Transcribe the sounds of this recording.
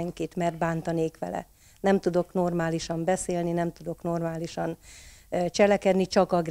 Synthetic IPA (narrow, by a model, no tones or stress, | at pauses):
ɛŋkit̪mɛrd̪̚baːnt̪ɒneːkʋɛ̰lɛ̰ | nɛmt̪ud̪o̞kno̞rmaːliʃɒmbɛseːlninɛmt̪ud̪o̞kno̞rmaːliʃɒn | t͡ʃɛlɛkɛd̪nit͡ʃɒkɒɡr